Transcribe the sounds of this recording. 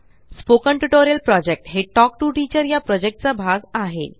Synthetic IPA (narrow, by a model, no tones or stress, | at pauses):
spokəɳʈuʈoɾjəlpɾɔd͡ʑek̚ʈɦeʈɔk̚ʈuʈit͡ɕəɾjapɾɔd͡ʑek̚ʈ̚t͡sabʱaɡaɦḛ